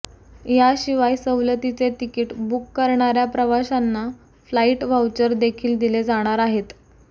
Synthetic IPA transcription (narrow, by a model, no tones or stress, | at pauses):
jaɕiʋajsəwlət̪it͡set̪ikiːʈbukːəɾɳ̃aɾjapɾəʋaɕanːa | flaiʈʋawt͡ɕəɾd̪ekʰiːld̪iled͡zaɽ̃aɾaɦet̪